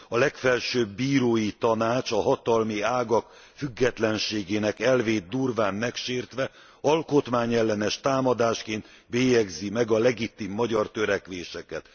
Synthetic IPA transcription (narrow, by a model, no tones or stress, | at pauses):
ɒlɛkfɛlʃøːbːiːɾoːjit̪ɒnaːt͡ʃɒɦɒt̪ɒlmiaːɡɒk | fyɡːɛt̪lɛnʃeːɡeːnɛkɛlveːt̪̚d̪uːrvaːnmɛkʃeːrt̪ʋɛ | ɒlko̞t̪maːɲɛlːɛnɛʃt̪aːmɒd̪aːʃkeːnt̪ | beːjɛɡzimɛɡɒlɛɡit̪imːɒɟɒrt̪øɾɛkʋeːʃɛkɛt̪